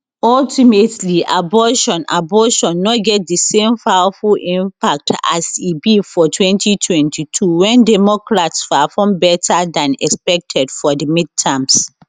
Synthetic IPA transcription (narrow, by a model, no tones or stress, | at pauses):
ɔltimetliʔabɔʃɔ̃na̰bɔʃɔ̃nːɔt̚ɡɛt̚dəsẽmfawafulʔĩmpak̚tʰa̰sibifɔtʰwɛ̃ntʰitʰwɛ̃ntʰitʰuwɛ̃ndɛmɔkɹatsfafɔ̃mbɛtʰadãnɛ̰kspɛk̚tʰɛdfɔdimid̚tʰãms